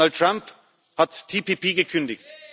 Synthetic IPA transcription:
alt̚tʁ̥amp | hattʰːiːpʰiːpiːɡəkʰʏndɪçt

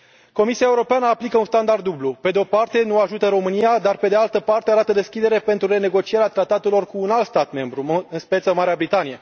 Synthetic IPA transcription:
ko̞misiaeuɾo̞peanəaplikəunst̪and̪ard̪ːublupe̞d̪eo̞part̪e̞nuaʒut̪əɾo̞mɨnijad̪arpe̞d̪ealt̪əpart̪e̞aɾat̪əd̪e̞skʲid̪e̞ɾe̞pe̞nt̪ɾuɾe̞ne̞ɡo̞t͡ʃie̞ɾeat̪ɾat̪at̪e̞lo̞rkuːnalt̪st̪at̪me̞mbɾuɨnspe̞t̪səmaɾeabɾit̪anije

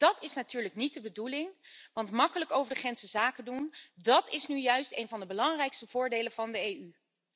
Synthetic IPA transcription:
d̥ɑtɪsnatyːɹləknit̚dəbədulɪŋʋɑntmɑkələkowvəɹdəχrɛnsəzaːkədundɑtɪsnyjœɥstejnvɑndəbəlɑŋrɛjkstəv̥ʊːɹdejlənv̥ɑndəejy

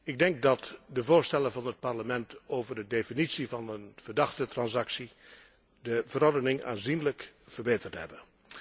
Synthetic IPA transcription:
ɪɡ̚dɛŋk̚dɑtdəvoːɹstɛləvɑnət̚pɑɹləmɛntowvəɹdədefinitsivɑnənv̥ərdɑxtətrɑnsɑksi | dəvəɾɔɹdənɪŋa̰ːnzinləkfəɹbeːtərtɦɛ̰bən

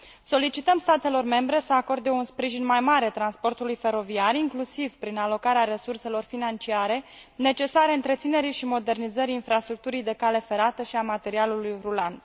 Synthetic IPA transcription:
so̞lit͡ʃit̪əmst̪at̪e̞lo̞rme̞mbɾe̞səako̞rd̪e̞unspɾiʒinmajmaɾet̪ɾanspo̞rt̪ulujfe̞ɾo̞viariŋklusivpɾinalo̞kaɾeaɾe̞surse̞lo̞rfinant͡ʃiaɾe̞ne̞t͡ʃe̞saɾeɨnt̪ɾet̪sine̞ɾijʃimo̞d̪e̞rnizəɾiːnfɾast̪ɾuk̚t̪uɾijd̪e̞kale̞fe̞ɾat̪əʃiamat̪e̞ɾialulujrulan

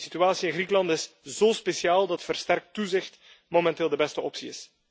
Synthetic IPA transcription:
sit̪yaːsiɪnɣrikəlɑntɪsz̥oːspesjaːlˠdɑtfərstɛrk̚tːuzɪxt | momɛnteːlˠdəbɛstəʔɔpsiɪ̰s

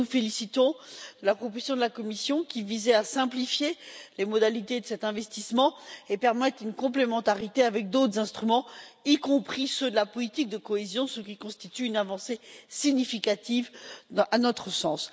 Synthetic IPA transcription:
ufelisit̪ɔ̃d̪̥əlapχɔpozjɔ̃d̪əlakɔmisjɔ̃kʲivizɛasɛ̃plifjelemɔd̪alit̪ed̪əsɛt̪ɛ̃vɛst̪ismɑ̃epɛʁmɛt̪ynkɔ̃plemɑ̃t̪aʁit̪eavɛk̚d̪ot̪χəzɛ̃st̪χymɑ̃ikɔ̃pχisød̪əlapɔlit̪ik̚d̪əkɔezjɔ̃səkʲikɔ̃st̪it̪yynavɑ̃sesiɲifikat̪ivanɔt̪χəsɑ̃s

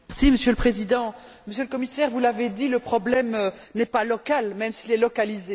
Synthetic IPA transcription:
ʁsiməsjøləpχezid̪ɑ̃ | məsjøləkɔmisɛʁvulaved̪iləpχɔblɛmø | nɛpalɔkalmɛmsilɛlɔkalize

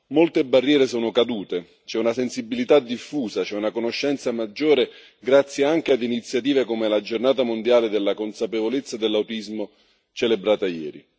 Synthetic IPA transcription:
molt̪ebarːjɛːɾesoːnokad̪uːt̪e | t͡ʃɛunasensibːilit̪ad̪ifːuːsat͡ʃɛunakonoʃːɛnt̪samad͡ʒːoːɾe | ɡɾat̪sːjeaŋk̟ead̪init̪sːjat̪iːvekomelad͡ʒornaːt̪amond̪jaːled̪elːakonsapevolet̪sːad̪elːawt̪izmo | t͡ʃelebɾaːt̪ajɛːɾḭ

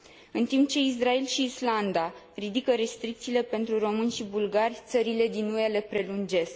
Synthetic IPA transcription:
ɨnt̪imp̚t͡ʃe̞is̬ɾae̞lʃiːsland̪a | rid̪ikəɾe̞st̪ɾik̚t̪siːle̞pe̞nt̪ɾuɾo̞mɨnʲʃibulɡarʲt̪səɾile̞d̪inue̞le̞pɾe̞lund͡ʒe̞sk

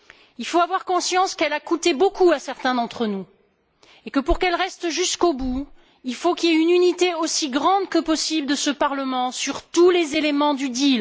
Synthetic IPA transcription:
ilfoavwaʁkɔ̃sjɑ̃skɛlakut̪ebokuasɛʁt̪ɛ̃d̪ɑ̃t̪χənu | ekəpuʁkɛlʁɛst̪ʒyskobu | ilfokʲieynynit̪eosiɡʁɑ̃d̪kəpɔsibld̪əsəpaʁləmɑ̃syʁt̪ulezelemɑ̃d̪yd̪il

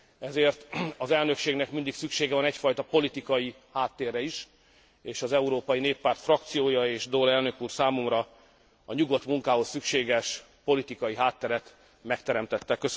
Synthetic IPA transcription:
ɛzeːrt̪ɒzɛlnøkʃeːɡnɛkmind̪iksykʃeːɡɛvɒnɛcfɒjt̪ɒpo̞lit̪ikɒji | haːt̪ːeːrɛiʃ | eːʃɒzɛuɾoːpɒjineːpːaːrt̪frɒkt̪sijoːjɒeːʃd̪olɛlnø̞kuːrsaːmomrɒ | ɒɲuɡo̞t̪muŋkaːɦo̞sːykʃeːɡɛʃ | po̞lit̪ikɒjiɦaːt̪ːɛɾɛt̪ | mɛkt̪ɛɾɛmt̪ɛt̪ːɛkøs

